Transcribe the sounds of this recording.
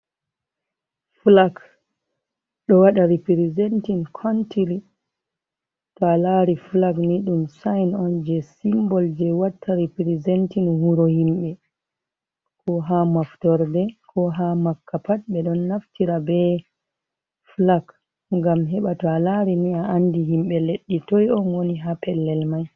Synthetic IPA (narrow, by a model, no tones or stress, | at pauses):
flak | ɗɔwaɗaɾipiɾizɛntinkʰɔntili | tɔalaɾiflakniɗumsajnɔnd͡ʒɛsimbɔld͡ʒɛwatʰːaɾipiɾizɛntinhuɾɔhimɓɛ | kʰɔɦamaftɔɾdɛkʰɔɦamakːapat̚ɓɛɗɔnːaftiɾabɛ | flak | ŋɡamɦɛɓatɔalaɾiniaandiɦimɓɛleɗːitɔjɔnwoniɦapɛlːɛlmaj